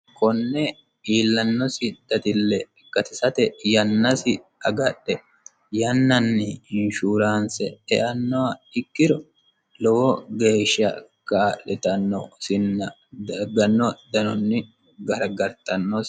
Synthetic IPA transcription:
kɔnːɛ | iːlːɐnːɔsɪd̪̥ɐt̪ɪlːɛ | ɡ̥ɐt̪ɪsɐt̪ɛjɐnːɐsɪ | ɐɡɐɗːɛ | jɐnːɐnːɪɪnʃuːɾaːnsɛ̰ɛʔɐnːɔwɐɪkːɪɾɔ | lɔwɔɡe̞ːʃːɐ | kalɛt̪ɐnːɔsɪnː | ɡɐnːɔd̪ɐnɔnːɪ | ɡɐɾɡɐɾt̪ɐnːɔs

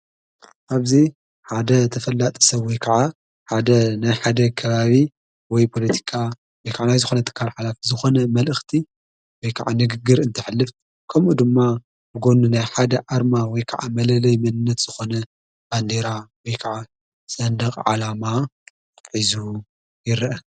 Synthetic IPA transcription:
ʔaβzi | ħad̪ɐt̪ʰɐfɐlːat̪ʼɐ̥sɐβɔjkʰɐʕa | ħad̪ɐnajħad̪ɐkʰɐβaβi | wɔjpʰo̞lɐt̪ʰi̥kʰa | wɔjkʰaʕanajzɨxo̞nɐt̪ʰɨ̥kʰːalħalafizɨxo̞nɐmɐlʔɨxt̪ʰi | wɔjkʰɐʕanɨɡɨɡːɨɾɨnt̪ʰɐħɨlːɨft̪ | kʰɐmʔud̪ɨmːa | bɨɡo̞nunajħad̪ɐʔaɾmawɔjkʰɐʕamɐlɐlɐjmɐnɨnːɐt̪z̥ɨxo̞nɐ | b̥and̪eɾawɔjkʰɐʕa | sɐnd̪ɐqʼʕa̰lama | ħizu | jɪɾʔɐ

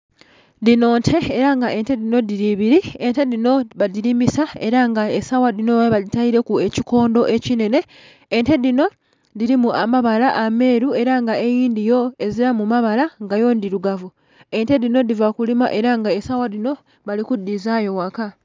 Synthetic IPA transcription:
dino̞ːntʰe̞ːɾaŋɡaʔe̞nte̞dino̞diɾiβiɾiente̞dino̞βadiɾimisae̞ɾaŋɡae̞sawadino̞βaditaiɾe̞kue̞ciko̞ːndo̞ʔe̞cine̞ne̞ː | nte̞dino̞ | diɾimuamaβalaʔame̞ːɾue̞ɾaŋɡae̞jiːndijo̞e̞ziɾamumaβalaŋɡajo̞ndiɾuɡavu | e̞nte̞dino̞divakulimaʔe̞ɾaŋɡae̞sawadino̞ | βalikudːizajo̞waka

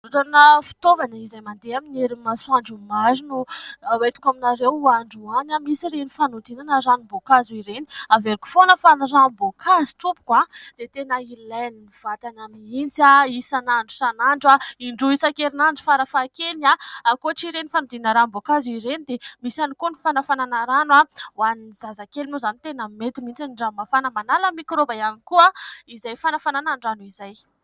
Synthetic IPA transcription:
uɾanəfi̥t̪ovanaizajmand̪eamineɾimasuaɳɖ͡ʐumazinuwet̪u̥kaminaɾewaɳɖ͡ʐuanamisiɾenifanud̪inanaɾanibokaziɾeniaveɾiku̥fonəfanirabokʰazi̥t̪upu̥kwad̪̥et̪enəilajniniv̥at̪anamint͡saisanaɳɖ͡ʐu̥sanaɳɖ͡ʐaiɳɖ͡ʐuisakeɾinaɳɖ͡ʐu̥faɾafakelnaakoʈ͡ʂiɾenifanud̪inaɾambokaziɾenid̪emisanikunifanafananaɾanwawanzazakelinozanit̪enamet̪imint͡saniɳɖ͡ʐamafanəmanaləmikɾobajanikuaizajfanafananaɳɖ͡ʐanuizaj

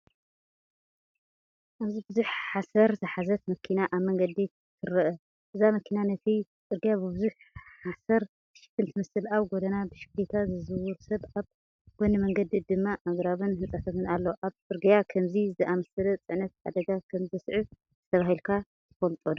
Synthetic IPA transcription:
ʔaβzibɨzuħħasɐɾzɨħazɐt̪mɐkʰinaʔaβmɐŋɡɐd̪i | t̪ʰɨɾɐʔɐ | ʔɨzamɐkʰinanɐt̪ʰit͡sʼɨɾɡijabɨbɨzuħ | ħasɐɾ | t̪ɨ̥ʃɪ̥t̪ʰɨnt̪ʰɨmɐsɨlaβɡod̪ɐnabɨʃɪ̥klit̪ʰazɨzɨwuɾsɐβaβ | ɡ̥onɨmɐŋɡɐd̪id̪ɨmːaʔaɡɾaβɨnhɨnt͡sʼat̪ʰɐmɨnalːoʔaβt͡sʼɨɾɡijakʰɐmzizɨʔamɐsɐlɐt͡sʼɨʕnɐt̪̚ʕa̰d̪ɐɡakʰɐmzɐsʕu | tʰɨt̪ʰɐβahilkʰa | t̪ʰɨ̥fɐlt̪ʼod̪

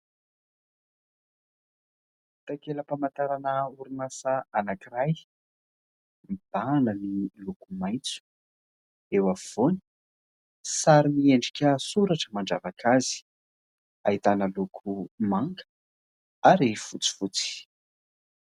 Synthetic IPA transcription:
t̪akeləpamant̪aɾanəuɾunasaanakiraj | mib̥anənilokumajt͡su̥ | ewav̥oni̥ | saɾimieɳɖ͡ʐi̥kʲasuɾaʈ͡ʂəmaɳɖ͡ʐavakʰazi̥ | aɦit̪anəlokʰumaŋɡə̥ | aɾifut͡si̥fut͡si̥

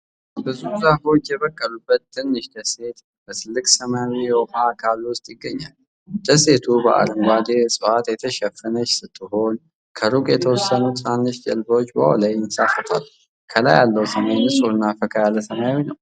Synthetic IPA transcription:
bɨzusahfo̞t͡ʃːjɛβəkʼːəlubːət̪̚t̪ːɨnːɨʃd̪əse̞t̪ | bəsɨlːɨkʼsəmawijɛwfakʰaluwʊst̪ʼjɪɡːəɲːal | d̪̥əse̞t̪ʰubəʔa̰lɨmɡʷad̪esʼɨwat̪jɛt̪ʰəʃɛfɨnət͡ʃːsɨt̪ʰːɨɦo̞n | kʰəɾukʼjɛt̪ʰəwɔsːənut̪sanːɨʃd͡ʒəlbo̞t͡ʃːbəhɔ̰lajnsafət̪ʰal | kʰəla̰jalːəwsəmajnɨsʼuɨnːafəkʰajalːəsəmajwijnəw

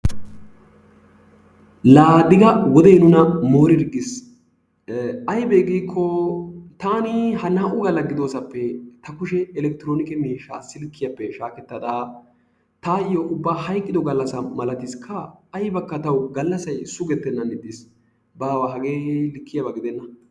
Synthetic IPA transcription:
laːd̪ɪɡɐwɔd̪ɛjnʊnɐmo̞ːɾɪɾɡːɪs | ɐjbɛɡiːkʰːɔt̪aːnɪhɐnaːʔʊɡɐlɐɡɪd̪o̞ːsɐpːɛt̪ɐkʊʃɛɛlɛkt̪ɪɾoːnɪkɛmiːʃːa̰ːsɪlkːɪjɐpːɛʃaːkɛt̪ːɐd̪aː | t̪aːɪjoʔʊbːaːhɐjkʼːɪd̪ɔɡɐlːɐsɐmɐlɐt̪ɪskʰːɐːjbɐkːɐt̪ɐwɡɐlːɐsɐjsʊɡɛt̪ːɛnːɐnɪd̪ːɪs | baːwaːɦɐɡeːlɪkːɪjɐbɐɡɪd̪ɛnːɐ

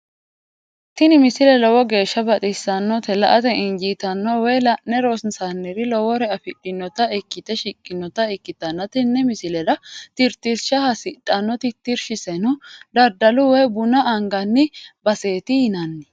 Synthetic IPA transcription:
t̪ɪnɪmɪsɪlɛlɔwɔɡe̞ːʃːɐbɐt̪ʼɪsːɐnːɔt̪ɛlɐʔɐt̪ɛʔɪɲd͡ʒiːt̪ɐnːɔwɛlɐnɛɾosnsanːɪɾɪlɔwɔɾɛɐfɪᶑɪnːɔt̪ɐɛkːɪt̪ɛʃɪkʼːɪnːɔt̪ɐɛkːɪt̪ːɐnːɐt̪ɪnːɛmɪsɪlɛɾɐt̪ɪɾt̪ːɪɾʃɐhɐsɪᶑɐnːɔt̪ɪt̪ːɪɾʃɪsɛnɔd̪ɐɾd̪ɐlʊwɛbʊnɐʔɐŋɡɐnːɪbɐseːt̪ɪhɪnɐnːɪ

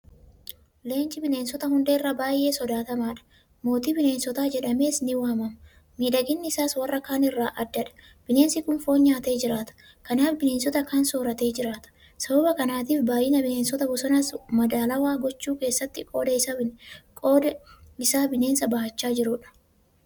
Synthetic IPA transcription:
le̞ːnd͡ʒɪbɪneːnsɔt̪ɐhʊnd̪eːɪrːabaːjʔe̞ːsɔd̪aːt̪ɐmaːᶑɐ̥ | mo̞ːt̪iːbɪne̞ːnsɔt̪aːd͡ʒɛᶑɐme̞ːsnɪwɐɐmɐmɐ | miːᶑɐɡɪnːɪɪsaːswɐrːɐkaːnɪrːaːʔɐd̪ːɐᶑɐ̥ | b̥ɪne̞ːnsɪkʊnfo̞ːɲːaːt̪e̞ːd͡ʒɪɾaːt̪ɐ̥ | kɐnaːfbɪne̞ːnsɔt̪ɐkɐnsoːɾɐt̪e̞ːd͡ʒɪɾaːt̪ɐ̥ | sɐbɐbɐkɐnaːt̪iːfbaːjɪnɐbɪne̞ːnsɔt̪ɐbʊsɐnɐsmɐd̪aːlɐwaːɡɔt͡ʃːuːke̞ːsːɐt̪ːɪkʼo̞ːd̪ɐɪsɐɪnkʼoːd̪ɐɪsaːbɪne̞ːnsɐbɐhɐt͡ʃːaːd͡ʒɪɾʊᶑɐ̥

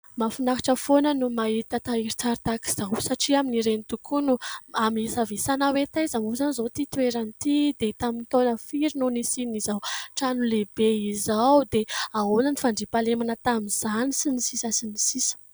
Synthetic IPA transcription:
mafunakḁʈ͡ʂəfonənumait̪at̪aiɾit͡saɾt̪aki̥z̥awsaʈ͡ʂiaminiɾenit̪ukʰunuamisavesanawet̪azamuzanizot̪it̪ueɾanit̪id̪et̪amint̪onəfiɾinunisinizawʈ͡ʂanulebeizawd̪eaunanifaɳɖ͡ʐipalemanət̪amiz̥anisinisisasinisisə̥

